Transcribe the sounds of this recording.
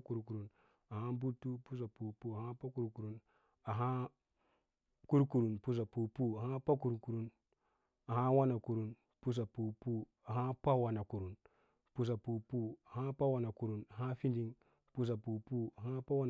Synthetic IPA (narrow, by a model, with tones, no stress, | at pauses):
ku˨ɾku˨ɾu˨n | a˨ha˦bu˦tːu˦pu˦s̬a˨pu˨pu˦a˨ha˦pa˦ku˦ɾku˨ɾu˦n | a˨ɦa˦ | ku˦ɾku˨ɾu˨npu˦s̬a˨pu˨pu˦a˨ha˦pa˦k̬u˨ɾku˨ɾu˦n | a˨ɦa˦wa˦na˨ku˨ɾu˦n | pu˦s̬a˨pu˨pu˦ | a˨ɦa˦pa˦wa˨na˨ku˨ɾu˨n | pu˨s̬a˨pu˨pu˦a˨ha˦pa˦wa˨na˨ku˨ɾu˨na˨ɦa˦fi˦ndi˦ŋ | pu˦s̬a˨pu˨pu˦a˨ɦa˦pa˦wa˦n˨